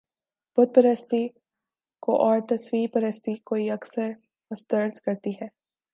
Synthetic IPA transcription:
b̥ʊd̪̚pɐɾəst̪i | ko̰ʔɔːɾt̪ɐswiːpɐɾəst̪ikoːiɐksəɾ | ɐst̪əɾt̪kɐɾt̪iɦɛː

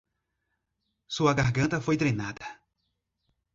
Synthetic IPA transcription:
suɐɡaɾɡɐ̃nt̪ɐfojt̪ɾejnad̪ɐ

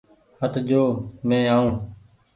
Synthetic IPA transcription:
hət̪d͡ʒoːmẽːaːũː

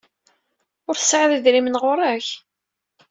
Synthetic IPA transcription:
ʊɾθə̥sʕəðiðɾimənʁʊɾˤæç

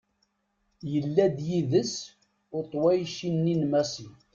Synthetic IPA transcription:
jəlːæd̪jiðəs | ʊt̪ˤwæjʃinːinmæsi

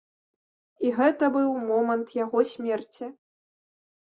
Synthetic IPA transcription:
iɣɛt̪ɐbɨwmɔmɐnt̪jaɣɔsʲmʲɛrt͡sʲi

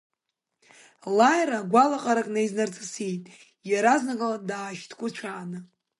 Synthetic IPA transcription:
lajraɡʷalaqʼaɾakʼnajznart͡sʰʼasijtʼ | jaɾaznaɡʼaladaːʃtʰkʷʼʊt͡ʃʷʰaːnɨ

